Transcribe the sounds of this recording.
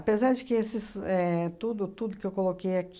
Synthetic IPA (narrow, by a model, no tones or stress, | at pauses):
pezaɾd͡ʒɪkɪesɪsɛt̪ud̪ʊt̪ud̪ʊkɪewkolokejakʲ